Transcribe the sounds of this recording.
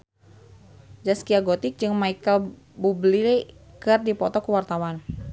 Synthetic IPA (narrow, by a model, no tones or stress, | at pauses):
d͡ʒaskiaɡot̪ɪk̚d͡ʒɨŋmaikəl | bublilkɨrdipɔt̪ɔkəwart̪awan